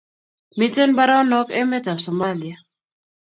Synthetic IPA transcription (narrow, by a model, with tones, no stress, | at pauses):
mi˦te˦nba˦ɾa˦nɔ˦ke˦mɛ˦ta˨fsɔ˨ma˦li˨ja˨